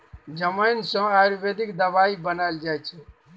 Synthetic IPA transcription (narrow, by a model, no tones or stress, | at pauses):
d͡ʒəməjnsə̃aɾubed̪ikd̪əbaibənajld͡ʒajt͡ʃʰɛ